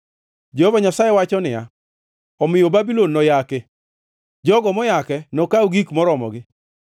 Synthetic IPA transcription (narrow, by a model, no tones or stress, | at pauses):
d͡ʒehovaɲasajewat͡ʃɔnɪja̰ | ɔmɪjobabilonːɔjakɪ | d͡ʒɔɡɔmɔjakɛnɔkaoɡikmɔɾɔmɔ̰ɡɪ